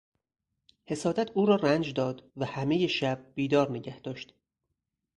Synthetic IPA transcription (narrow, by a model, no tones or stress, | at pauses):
he̞sɒːd̪æt̪ʰuːɾɒːrænd͡ʒd̪ɒːd̪væhæme̞je̞ʃæb̥̚ːiːd̪ɒːɾneɟæhd̪̥ɒːʃt̪